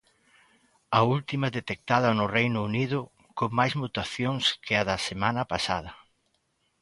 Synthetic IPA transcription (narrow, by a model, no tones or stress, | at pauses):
ɐult̪imɐðet̪ek̚t̪aðɐnʊrejnʊːnið̞ʊ | koŋmajzmut̪aθjoŋskʰɪɐðɐsemanɐpasaðɐ